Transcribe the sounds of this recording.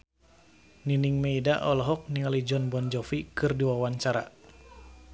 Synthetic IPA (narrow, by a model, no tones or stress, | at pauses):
niniŋmeidaʔɔlɔɦɔk̚niŋalid͡ʒɔnbɔnd͡ʒɔfikɨrdiwawant͡ʃaɾa